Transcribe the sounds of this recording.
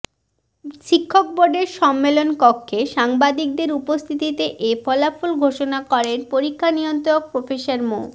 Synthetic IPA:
ʃikʰːok̚boɾɖeɾʃɔmːelonkɔkʰːeʃaŋbad̪ik̚d̪eɾupost̪ʰit̪it̪eʔefɔlafolɡʱoʃonakɔɾeɾpoɾikʰːaniont̪ook̚pɾofeʃaɾmo

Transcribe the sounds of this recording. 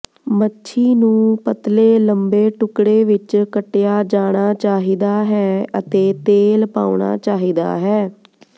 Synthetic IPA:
mətːʃʰiːnũːpət̪leːləmbeːʈʊkɽeːʋɪt͡ʃkəʈjaːd͡ʒaːɽ̃aːt͡ʃaːɦiːd̪aːɦɛːət̪eːt̪eːlpa̰ːʊɳ̃a̰ːt͡ʃaːɦiːd̪a̰ːɦɛː

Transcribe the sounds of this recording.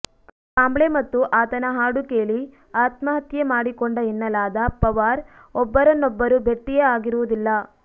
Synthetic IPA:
kaːmbɭemɐt̪ːuʔaːt̪ɐnɐɦaːɽukeːli | aːt̪mɐɦɐt̪jemaːɽikɔɳɖɐinːɐlaːd̪ɐpɐʋaːɾ | ɔbːɐɾɐnːɔbːɐɾube̞ʈːijeaːɡiɾuʋud̪ilːɐ

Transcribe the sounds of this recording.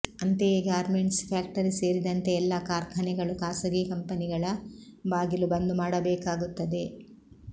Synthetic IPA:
ɐnt̪eɡaːɾmeɳʈspʰaːk̚ʈɐɾise̞ːɾid̪ɐnt̪e̞ɛlːɐkaːɾkʰɐnɛɡɐɭukaːsɐɡiːkɐmpɐniɡɐɭɐbaːɡilubɐnd̪umaːɽɐbɛːkaːɡut̪ːɐd̪e̞

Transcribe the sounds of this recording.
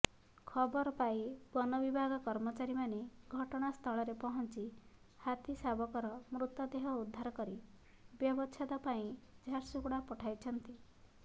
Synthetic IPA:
kʰɔbɔɾɔpaibɔnɔbibʱaɡɔkɔɾmɔt͡ʃaɾimaneɡʱɔʈɔɽ̃ast̪ʰɔɭɔɾepɔɦɔnt͡ʃi | hat̪isabɔkɔɾɔmɾut̪ɔd̪eɦɔud̪ʱːaɾɔkɔɾi | bjɔbɔt͡ʃʰad̪ɔpaĩd͡ʒʱaɾsukuɽapɔʈʰajt͡ʃʰɔnt̪i

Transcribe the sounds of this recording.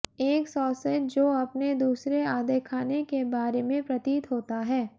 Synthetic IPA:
eːksɔːsə̃d͡ʒoːɐpned̪uːsɾeaːd̪ekʰaːnekebaːɾemẽpɾɐt̪iːt̪ɦoːt̪aɦɛː

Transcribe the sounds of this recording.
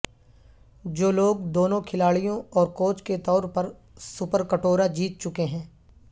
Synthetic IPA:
d͡ʒoːloːɡd̪oːnõkʰɪlaːɭijõɔːɾkoːt͡ʃket̪ɔːɾpɐɾ | sʊpəɾkəʈoːɾad͡ʒiːt̪̚t͡ʃʊkeɦɛ̃ː

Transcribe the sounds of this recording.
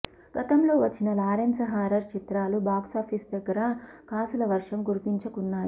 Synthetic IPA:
ɡ̥ɐt̪ɐmlo̞ːʋɐt͡ʃːinɐlaːɾɐɲsɐɦaːɾɐɾt͡ʃit̪ɾaːlubaːksaːpʰisd̪ɐɡːɐɾɐkaːsulɐʋɐɾʂɐmɡuɾipiɲt͡ʃɐkunːaːɾu

